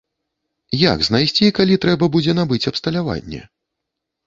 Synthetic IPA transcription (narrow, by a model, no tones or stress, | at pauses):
ja̰ɡznajsʲt͡sʲikalʲit̪ɾɛbɐbud͡zʲɛnabɨt͡sʲɐpst̪ɐlʲava̰nʲːɛ̰